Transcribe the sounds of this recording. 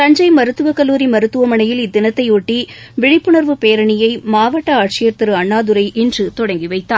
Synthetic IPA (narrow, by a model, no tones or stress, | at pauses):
sɐɲd͡ʒɐɪmɐɾɯt̪ːɯʋɐkɐlːuːɾimɐɾɯt̪ːɯʋɐmɐɳɐjɪlɪd̪ːɪnɐt̪ːɐɪɔʈːi | ʋɪɽɪpːɯɳɐɾʋɯpejɐɾɐɳɪjɐɪmaːʋɐʈːɐaːʈ̚t͡ʃɪjɐɾt̪ɪɾɯɐɳːaːðɯɾɐɪʔɛndrɯt̪ɔɽɐŋɡiʋɐɪt̪ːaː